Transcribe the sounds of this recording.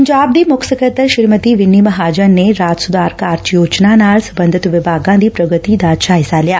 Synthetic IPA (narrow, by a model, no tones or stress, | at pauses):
pəɲd͡ʒaːb̚d̪iːmʊksəkət̪əɾʃɪɾmət̪iːʋɪnːiməɦaːd͡ʒənːeɾaːd͡ʒ̪sud̪aːɾkaːɾt͡ʃijoːt͡ʃnanaːlsəbənd̪ʱit̪ʋɪbʱaːɡãd̪iːpɾəɡət̪iːd̪aːt͡ʃaɦɪsaːljaː